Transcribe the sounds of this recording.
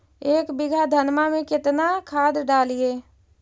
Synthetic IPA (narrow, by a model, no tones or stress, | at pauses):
eːkbɪɡʱad̪ʱənmamẽkɪt̪nakʰaːd̪ɖaːlieː